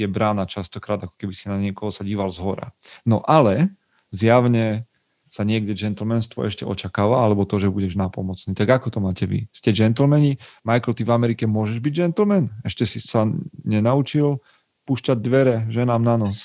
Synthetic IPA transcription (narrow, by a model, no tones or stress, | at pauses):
jɛbɾaːnat͡ʃast̪ɔkɾaːd̪akɔ̥kɛbisinaɲɪɛkɔɦɔsaɟiːʋalzɦɔɾa̰nɔʔalɛ | zjaʊɲɛ | saɲɪɛɡɟɛd͡ʒɛnt̪l̩mɛnst̪ʋɔ̰ʔɛ̰ʃcɛ̰ʔɔ̰t͡ʃakaːʋaalɛbɔt̪ɔʒɛbuɟɛʒnapɔmɔt͡sniːt̪aɡakɔt̪ɔmaːcɛʋḭscɛd͡ʒɛnt̪l̩mɛɲimajkl̩t̪ivamɛɾikɛmʊɔʒɛʒbiɟd͡ʒɛnt̪lmɛnɛʃcɛsisaɲɛnaut͡ʃil | puːʃcaɟ̚d̪ʋɛɾɛʒɛnaːmnanɔs